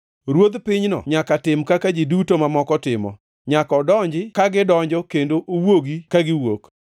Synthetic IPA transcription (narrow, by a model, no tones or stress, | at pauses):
ɾwod̪pɪɲnɔ̰ɲakatɪmkakad͡ʒidutomamɔkɔtɪmɔ̰ | ɲakɔdɔɲd͡ʒɪkaɡɪdɔɲd͡ʒɔkendoʔowoɡikaɡɪwok